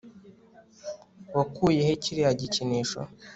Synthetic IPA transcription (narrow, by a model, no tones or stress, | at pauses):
wakujeheciɾijaɟiciniːʃo̰